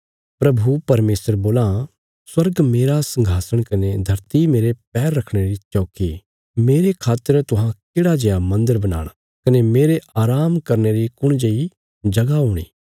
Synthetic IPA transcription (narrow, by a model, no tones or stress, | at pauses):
pɾɐbʱupɐɾmeːsəɾboːlã | swɐɾɡmeːɾasɐ̃ŋɡʱaːsəɽ̃kɐned̪ʱɐɾt̪imeːɾep̚ɛːɾːɐkʰɽ̃eɾit͡ʃoːki | meːɾekʰaːt̪ːəɾt̪ʊɦãkɪːɽad͡ʒeːamɐ̃nd̪əɾbɐna̰ːɽ̃ | kɐnemeːɾeaːɾaːmkɐɾneɾikʊɽ̃d͡ʒeːi | d͡ʒɐɡaɦuːɽ̃ḭː